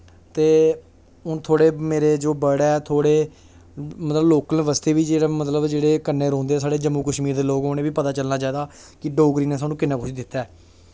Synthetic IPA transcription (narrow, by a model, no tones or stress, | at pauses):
t̪eː | ʊnt̪ʰoːɽeːmeːɾeːd͡ʒoːbəɽaːɛːt̪ʰoːɽeː | mət̪ləbloːkəlːʋəst̪eːʋiːd͡ʒeːɽaːmət̪ləbd͡ʒeːɽeːkənːeːɾɔ̃ːnd̪eːs̬aːɽeːd͡ʒəmːuːkəʃmiːɾd̪eːloːɡɦoːneːʋiːpət̪aːt͡ʃəlnaːt͡ʃaːiːd̪aː | kɪɖoːɡɾiːnẽːsaːnũːkɪnãːkʰʊʃiːd̪ɪt̪ːaɛː